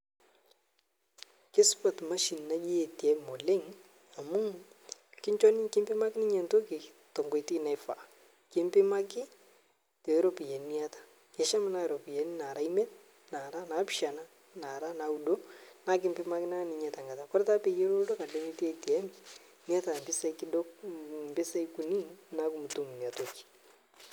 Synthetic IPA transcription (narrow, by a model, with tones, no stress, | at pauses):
kɪ˦spɔ˨tma˦ʃi˨nna˦d͡ʒi˦e˨tɛ˨mo˨lɪ˦ŋ | a˨mʊ˦ŋkɪ˦ɲt͡ʃɔ˦nɪ˦kɪ˦mbɪ˦ma˦kɪ˦nɪ˦ɲɛ˨nto˦kɪ˨ | tɔ˨ŋɡwe˨tɪ˦na˨fa̰˨ | kɪ˦mpɪ˦ma˦kɪ˦ | tɛ˨˦ɾo˦pi˨jɛ˨ni˦a˦tḁ˨ | kɛ˨ʃa˦ma˦na˦˨ɾɔ˨pi˨jɛ˨ni˦na˨ɾa˦i˦mɛ˦t̚ | na˨ɾa˦na˨˦pʃa˨na˦ | na˨ɾa˦na˨u˨do˦na˦kɪ˨˦mpɪ˦ma˦kɪ˦na˦nɪ˨˦ɲɛ˨ta˨ŋɡa˨ta˨kɔ˦ɾta˦pe˨je˦ɾo˦do˦ka˨le˦ni˦te˦ti˨ɛ˦m | ni˦a˦ta˨mbɪ˦sa˦ikɪ˦dɔ˦kmbɪ˦sa˦iku˨ni˦na˦ku˨mu˨tu˨m˨ni˨a˨to˦ki̥˨